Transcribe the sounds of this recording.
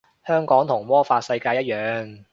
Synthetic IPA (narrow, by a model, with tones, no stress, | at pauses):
hœː˥ŋkɔː˨˥ŋt̪ʰʊ˨˩ŋmɔː˥faː˧t̚sɐ˧jkaː˧jɐ˥t̚jœː˨˧ŋ